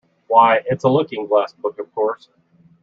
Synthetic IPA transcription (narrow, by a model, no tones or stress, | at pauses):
waɪʔɪtsəlʊkɪ̃ŋɡlæsb̥ʊkʌv̥kʰɔɹs